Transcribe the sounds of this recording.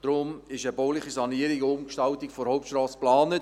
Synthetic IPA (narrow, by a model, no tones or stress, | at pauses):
d̥ɾʊmɪʃəboːlɪχisɑniəɾiɡəʊmkʃtɑltɪkfɔɾhoʊp̚tʃtrɑːsplɑːnət